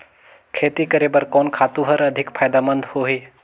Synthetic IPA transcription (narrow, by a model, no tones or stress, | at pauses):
kʰeːt̪ikəɾeːbəɾkɔːnkʰaːt̪ũɦəɾɐd̪ʱɪkpʰaːjd̪amə̃nd̪ʱhoɦeː